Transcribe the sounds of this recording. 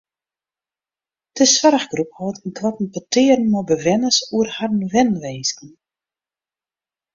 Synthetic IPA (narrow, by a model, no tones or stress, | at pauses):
d̥əsʋaɾəxɡrup̚hɔətənkwatn̩pətʰɪːərən̩mɔbəʋɛnəsuərharnʋɛnʋeːskən